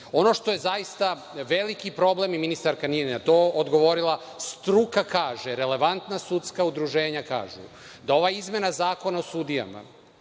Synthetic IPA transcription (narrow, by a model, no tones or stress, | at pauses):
o̞no̞ʃt̪o̞je̞zaist̪a | ʋe̞likipɾo̞ble̞miminist̪aɾkaninat̪o̞ːod̪ɡo̞ʋo̞ɾilˠa | st̪ɾukakaːʒeɾe̞le̞ʋant̪nasut̪skaud̪ɾuʒe̞ːɲaka̰ːʒṵ | d̪ao̞ʋaizme̞nazaːko̞naosud̪ija̰ma̰